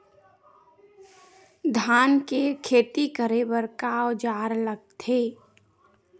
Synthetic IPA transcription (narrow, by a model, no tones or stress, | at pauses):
d̪ʱaːnkekʰeːt̪ikəɾebəɾkaod͡ʒaːɾləɡ̚t̪ʰeː